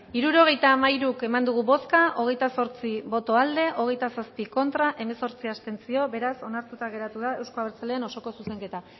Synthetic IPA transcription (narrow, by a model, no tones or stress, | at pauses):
iɾuɾo̞ɣ̞e̞jt̪aːmaiɾuke̞mand̪uɣ̞uβo̞skaʔo̞ɣ̞e̞jt̪aso̞ɾt͡siβo̞t̪o̞ald̪e̞ʔo̞ɣ̞e̞jt̪asaspiko̞nt̪ɾaʔe̞me̞so̞ɾt͡siast̪e̞nt͡sio̞be̞ɾaso̞naɾt̪ut̪aɣ̞e̞ɾat̪uðae̞wskoaβeɾt͡sale̞ːno̞so̞ko̞suse̞ŋke̞t̪a